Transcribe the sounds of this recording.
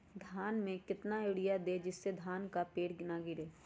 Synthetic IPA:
d̪ʱaːnmẽkɪt̪naeɽijad̪ed͡ʒɪsːed̪ʱaːnkapeːʈɡɪnaɡɪɾeː

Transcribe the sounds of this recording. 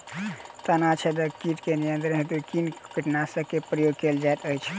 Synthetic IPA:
t̪ənat͡ʃʰɛd̪əkiʈkenijənt̪ɾəɦet̪ukinkəʈnasəkepɾəjoɡ̚keld͡ʒajt̪əjt͡ʃʰ

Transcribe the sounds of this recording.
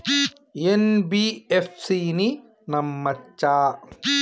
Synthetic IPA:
enbiefsiːni | nɐmːɐt͡ʃːaː

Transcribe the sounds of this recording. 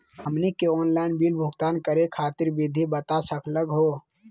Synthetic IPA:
həmnikeɔːnlaɪnbilbʱʊɡt̪aːnkəɾekʰaːt̪iɾbid̪ʱibət̪asəkʰləɡɦo

